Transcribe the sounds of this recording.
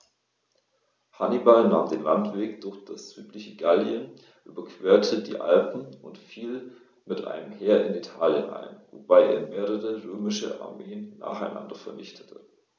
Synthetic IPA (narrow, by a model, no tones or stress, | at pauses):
hanibalna̰ːmdeːnlantv̥eːkd̥ʊɐçd̥asz̥yːtlɪçəɡaljən | ʔyːbɐkv̥eːɐtʰədḭːʔa̰lpm̩ʊntfiːl | mɪtʔa̰ɪnəmheːɐʔɪnitʰaːljə̰nʔa̰ɪnvobaɪʔeːɐmeːʁəʁəʁøːmɪʃə̰ʔa̰ɐmeːənːa̰ːχaɪnʔa̰ndɐfɛɐnɪçtʰə̥tʰə